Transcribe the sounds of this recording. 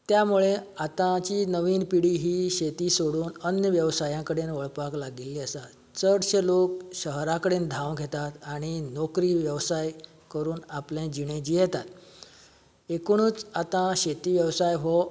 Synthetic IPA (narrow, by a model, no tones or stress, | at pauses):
t̪jamuɭeat̪ãt͡ɕiːnəʋiːnpiɽiːɦiːɕet̪iːsoɽuːnənjəʋjəʋsajãkəɽenʋəɭpaklaɡilːiəsa | t͡səɽɕelok̚ɕəɦɾãkəɽend̪ʱãwɡʱet̪at̪aɽ̃inɔkɾiːʋjəʋsaj | kəɾuːnaplẽd͡ʑiɽ̃ẽd͡ʑijɛt̪at̪ | ekoɽ̃uːt͡sat̪ãɕet̪iːʋjəʋsajɦɔ